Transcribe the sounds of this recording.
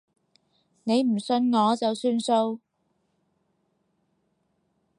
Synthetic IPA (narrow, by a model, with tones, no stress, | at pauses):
ne˨˧jm̩˨˩sɵ˧nŋɔː˨˧t͡sɐ˨wsyː˧nso˧w